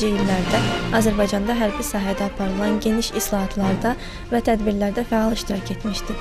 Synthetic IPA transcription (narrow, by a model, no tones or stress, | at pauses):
d͡ʒijilːæɾd̪æɑzæɾbɑjd͡ʒɑnd̪ɑɦæɾbisɑːɦæd̪æːpʰɑɾɯlˠɑnɟe̞niʃislˠɑɦɑt̪ʰlˠɑɾd̪ɑ | væt̪ʰæd̪biɾlæɾd̪æfæɑlˠiʃt̪iɾɑcʰe̞t̪miʃd̪i